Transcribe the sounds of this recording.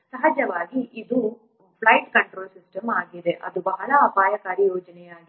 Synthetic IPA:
sɐɦɐd͡ʒɐʋaːɡiʔid̪u | pʰlɐjʈkɐɳʈɾoːlsisʈɐmaːɡid̪e̞ʔɐ̰d̪ubɐɦɐlɐːpaːjɐkaːɾjɐjoːd͡ʒɐnɛjaːɡi

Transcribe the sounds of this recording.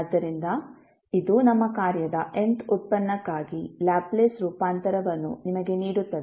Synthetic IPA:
ɐd̪ːɐɾind̪ɐ | id̪unɐmːɐkaːɾjɐd̪ɐʔent̪ut̪̚pɐnːɐkːaːɡilaːbleːsɾuːpaːnt̪ɐɾɐʋɐnːṵnimɐɡe̞niːɽut̪ːɐd̪e

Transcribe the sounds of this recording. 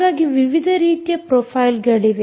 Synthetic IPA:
aːɡiʋiʋid̪ʱɐɾiːt̪jɐpɾoːpʰaːjlɡɐɭiʋe

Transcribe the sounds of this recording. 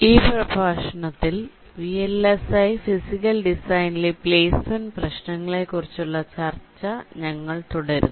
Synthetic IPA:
iːprɐbʱaːʂɐɳɐt̪ːil | ʋielesɐjfisikːɐlɖisɐjnlipleːsmɐnprɐɕɳɐŋːɐɭe̞kːurit͡ɕːuɭːɐt͡ɕɐrt͡ɕːɐɲɐŋːɐɭt̪uɽɐɾṵnː

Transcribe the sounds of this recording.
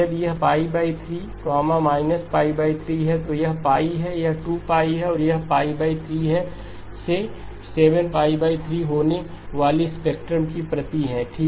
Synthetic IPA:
ɐbjɐɦpaːibaːit̪ʰɾiːkɔːmãmaːɪnəspaːibaːit̪ʰɾiːɦɛt̪ojɐɦpaːiɦɛjɐɦʈuːpaːiɦɛɔːɾjɐɦpaːibaːit̪ʰɾiːɦɛ | se | seːʋənpaːibaːit̪ʰɾiːɦoːne | ʋaːlispeːk̚ʈɾəmkipɾɐt̪iɦɛ̃ʈʰiː

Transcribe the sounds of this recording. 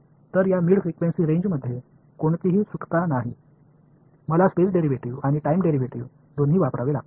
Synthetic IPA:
t̪əɾjamiːɭfɾikʋensiːɾẽɲd͡ʑməd̪ʱːje | koɳt̪iɦiːsukt̪anaɦi | məlaspesɖeɾiʋeʈiʋaɽ̃iʈaimɖeɾiʋeʈiʋ | d̪onɦiːʋapɾaʋela̰

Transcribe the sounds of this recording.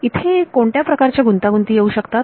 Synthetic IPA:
it̪ʰekoɳʈjapɾəkaɾt͡ɕjaɡunt̪aɡunt̪iːjeuːɕəkt̪at̪̚

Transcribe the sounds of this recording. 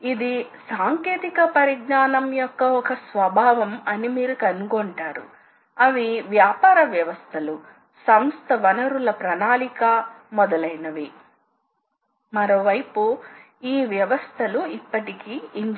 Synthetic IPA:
id̪isaːŋkeːt̪ikɐpɐɾiɡnaːnɐmjɔkːɐɔkɐsʋɐbʱaːʋɐmɐnimiːɾukɐnuɡoɳʈaːɾṵ | ɐʋiʋjaːpaːɾɐʋjɐʋɐst̪ʰɐlu | sɐmst̪ʰɐʋɐnɐɾulɐpɾɐnaːlikɐmɔd̪ɐlɐjnɐʋi | mɐɾoːʋɐjpu | iːʋjɐʋɐst̪ʰɐluipːɐʈikiːɲ

